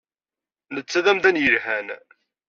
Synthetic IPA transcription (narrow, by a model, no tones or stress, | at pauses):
nət͡sːæðæmðænjəlhæn